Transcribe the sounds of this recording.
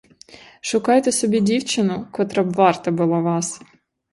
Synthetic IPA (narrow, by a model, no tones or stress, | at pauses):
ʃʊkɑjt̪ɛsɔbʲidʲiwt͡ʃɪnʊkɔt̪ɾɐbʋɑrt̪ɐbʊlˠɑʋɑs